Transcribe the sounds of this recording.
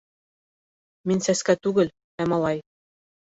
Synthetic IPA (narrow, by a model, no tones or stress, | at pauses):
minʲsæskæt̪ʉɡɘ̆l | æmɑlˠɑj